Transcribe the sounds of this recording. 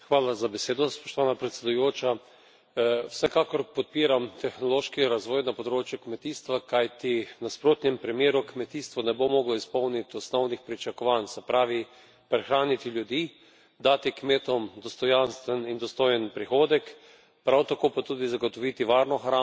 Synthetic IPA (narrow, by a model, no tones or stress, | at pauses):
xʋaːlazabɛseːd̪ɔspɔ̥ʃt̪ɔʋanapɾɛt̪sʲɛd̪ujoːt͡ʃa | wsɛkaːkɔɾpɔt̪̚piːɾamt̪ɛxnɔloːʃkiɾazʋɔːjnapɔd̪ɾoːt͡ʃjukmɛt̪iːst̪ʋakajt̪inaspɾoːt̪nʲɛmpɾimjeːɾukmɛt̪iːst̪ʋɔnɛbomɔːɡlɔispɔwnit̪ɔsnɔwnixpɾit͡ʃakɔʋansɛpɾaːʋi | pɾɛxɾaːnit̪iljud̪iː | d̪aːt̪ikmeːt̪ɔmd̪ɔst̪ɔjanst̪ʋɛnind̪ɔst̪oːjənpɾixoːd̪ɛk | pɾawt̪akoːpat̪uːd̪izaɡot̪ɔʋit̪iʋaːɾnɔxɾa